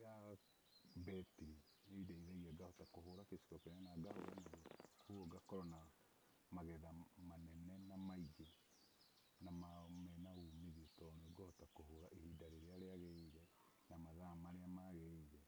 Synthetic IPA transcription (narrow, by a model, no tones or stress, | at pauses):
ja | bɛtii | idaiðaiɣaɡahɔtakoɦoɾakesi̥kɔkeɲanaɡahoɾanaokʰuɔɡakɔɾɔna | maɣɛðamanɛnɛnamaid͡ʒe | namamɛnaumiðiɛtɔnooɡohɔtakohoɾaʔehidaɾeɾeaɾeaɣeɾɛ | namaðamaɾeamaɣeiɾɛ